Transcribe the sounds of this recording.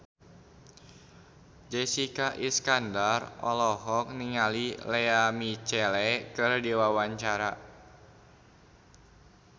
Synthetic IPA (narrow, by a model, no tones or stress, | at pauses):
d͡ʒɛsikaʔiskandarʔɔ̰lɔɦɔk̚niŋalilɛamit͡ʃɛlɛkɨrdiwawaɲt͡ʃaɾa